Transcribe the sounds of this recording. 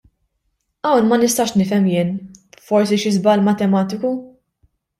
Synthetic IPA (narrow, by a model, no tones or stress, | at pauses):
ɐwnmɐnɪst̪ɐːʃnɪfɛmjɪːnfɔɾsiʃɪzbɐlmɐt̪ɛmɐːt̪ɪku